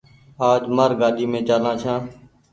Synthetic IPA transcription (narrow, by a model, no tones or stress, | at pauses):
aːd͡ʒmaːɾɡaːɗiːmẽːt͡ʃaːlãːt͡ʃʰãː